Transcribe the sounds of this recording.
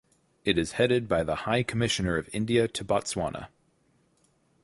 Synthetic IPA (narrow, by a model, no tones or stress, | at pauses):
ɨɾɨz̥hɛɾɨd̚baɪðəhaɪkʰəmɪʃɨnə˞ʌvɪ̃ndiɨtʰəbɑtswɑ̰nə̰